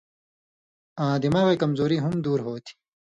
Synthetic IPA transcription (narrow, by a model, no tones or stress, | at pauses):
ãːd̪imaːɣeːkɐmzoːɾiɦumd̪uːɾɦoːt̪ʰi̥